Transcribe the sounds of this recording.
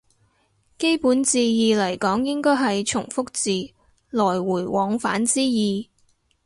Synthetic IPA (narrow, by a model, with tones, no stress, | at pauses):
ke˥jpuː˨˥nt͡siː˧jiː˨˧lɐ˨˩jkɔː˨˥ŋjɪ˥ŋkɔː˥jɦɐ˨jt͡ʃʰʊ˨˩ŋfʊ˥k̚t͡siː˨˧ | lɔː˨˩jwuː˨˩jwɔː˨˧ŋfa̰ː˨˥nt͡siː˥jiː˨˧